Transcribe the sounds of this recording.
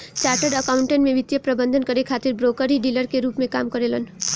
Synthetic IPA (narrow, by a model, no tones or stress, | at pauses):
t͡ʃaːɾʈəɖəkaʊ̃ɳʈənmẽʋɪt̪jəpɾɐbə̃nd̪ʱənkɐɾekʰaːt̪ɪɾbɾoːkəɾiɖiːləɾkeɾuːpmẽkaːmkəɾeːlən